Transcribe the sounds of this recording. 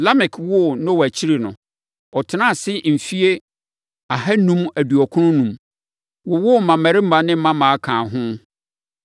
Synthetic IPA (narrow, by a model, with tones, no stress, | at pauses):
la˦mɪ˨kʰwʊ˦˨nʊ̃˦wɔ˨æ˨t͡ɕʰi˦ɾi˨nʊ̃˨ | ɔ˨tʰɪ˨˦nã˦˨sɪ˦m̩˨fi˦e˦ | a˨hæ˦nũ˦mæ˨du˨ɔ˨kʰʊ˦nʊ̃˦nũ˨m | wɔ˨wʊ˦˨mã˨mæ˨ɾɪ˦m̩˦mã˨nɪ̃˦m̩˦mã˦mãː˨a˦kʰãː˨ɦʊ̃˦